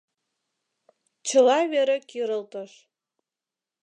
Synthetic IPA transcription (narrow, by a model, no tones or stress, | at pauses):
t͡ɕə̆lɑβeɾekiɾəlt̪əʃ